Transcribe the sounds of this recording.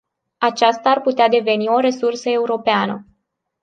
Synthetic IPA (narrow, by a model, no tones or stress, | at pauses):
at͡ʃast̪aːrput̪ead̪e̞ve̞nio̞ɾe̞sursəe̞uɾo̞peanə̰